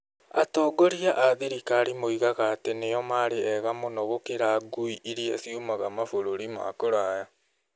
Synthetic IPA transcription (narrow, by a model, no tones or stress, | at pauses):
a̰tɔːɡoɾiaʔaðeɾikaːɾimoiɣaɣaːtenejɔmaːɾeɛɣamonɔɣokeɾaɡuiʔiɾiasiomaɣamafoɾoɾima̰koɾaːja